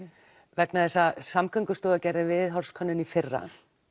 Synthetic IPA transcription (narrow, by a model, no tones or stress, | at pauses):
vɛknaðθɛsasamkʰœŋkʏst̪ɔːðacɛjɾðɪvɪðɦɔɾ̥skʰɔnːʏnifɪrːa̰